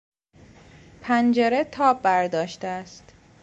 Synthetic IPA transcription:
pʰænd͡ʒeɾet̪ʰɒːb̚ːæɾd̪ɒːʃt̪eæst̪

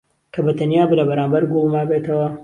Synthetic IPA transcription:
kʰɐbɐt̪ʰɐnjaːbɨlɐbɐɾaːmbɐɾɡulˠmaːbeːt̪ʰɐwɐ

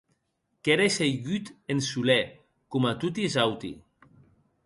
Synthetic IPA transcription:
keɾesejɣyt̪ensulɛ | kumat̪ut̪̬izawt̪ḭ

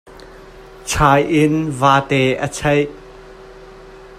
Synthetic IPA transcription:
t͡sʰaːjʔɪnvaːt̪ɛːʔət͡sʰɐj

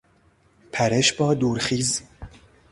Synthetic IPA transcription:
pʰæɾeʃbɒːd̪uːɾxiːz

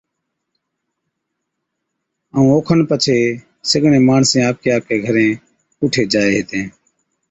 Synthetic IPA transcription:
əːũːoːkʰənpət͡ʃʰeː | səɡɳẽːmaːɳsẽːaːk̚eːaːeːɡʱəɾẽː | ʊʈʰeːd͡ʒaːeːɦet̪ẽː

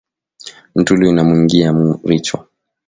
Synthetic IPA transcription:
m̩tuluinamuiŋɡiamuɾit͡ʃwa̰

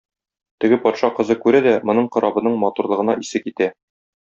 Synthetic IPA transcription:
t̪ɘ̆ɡɘpɒt̪ʃɑqɤ̆zɤkʉɾæd̪æmŏnɤɴqɤ̆ɾʔɑbɤ̆nɤɴmɒt̪uɾlˠɤ̆ʁɤ̆nɑʔisɘkit̪æ

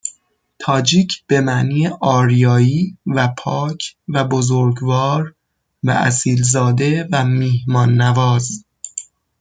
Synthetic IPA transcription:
t̪ʰɒːd͡ʒiːcʰb̥e̞mæʔniːʔɒːɾjɒːiːvæpʰɒːcʰvæbozoɾɡvɒːɾ | væ̰ʔæ̰siːlzɒːd̪e̞væmiːhmɒːnːævɒːz

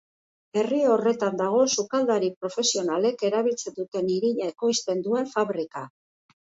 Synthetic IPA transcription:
e̞riore̞t̪and̪aɣ̞o̞sukald̪aɾipɾo̞fe̞sio̞nale̞ke̞ɾaβ̞ilt͡se̞nd̪ut̪e̞niɾiʎaeko̞jst̪e̞nd̪ue̞ɱfaβɾika

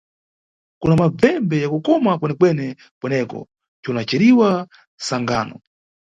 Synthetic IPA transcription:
kunamab͡vɛmbɛjakukɔmakwɛnɛkwɛnɛ | kwɛnɛkɔ̰ | t͡ʃɔnat͡ʃɛɾiwa | saŋɡaːnɔ

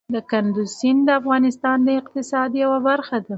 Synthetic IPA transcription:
d̪əkand̪usind̪əafɣɑnɪst̪ɑnd̪əɪq̚t̪ɪsɑd̪jawabaɾxad̪a

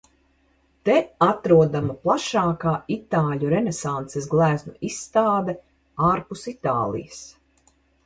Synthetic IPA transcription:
t̪ɛat̪ɾuɔd̪amaplˠaʃaːkaːit̪aːʎʲuɾɛnesant̪sɛsɡlˠæːznuisːt̪aːd̪ɛ | aːɾpusit̪aːlˠḭjəs

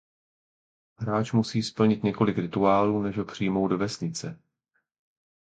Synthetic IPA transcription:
ɦɾaːt͡ʃmusiːspl̩ɲɪt̪ɲɛko̞lɪkɾɪt̪uaːluːnɛʒɦo̞pr̝̥ijmowdo̞vɛsɲɪt͡sɛ

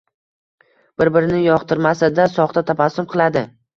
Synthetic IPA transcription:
b̥ɪɾbɪɾɪnɪjɒqt̪ʰɪɾmasad̪asɒχt̪ʰat̪ʰapasʊmqʰɨlˠad̪ɪ

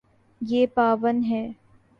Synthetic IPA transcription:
jeːpaːʋənɦɛː

